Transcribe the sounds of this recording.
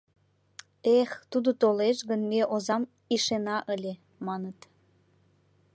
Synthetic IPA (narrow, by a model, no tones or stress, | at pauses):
ext̪ud̪ot̪oleʃɣənmeʔozɑm | iʃenɑʔəlʲe | mɑnət̪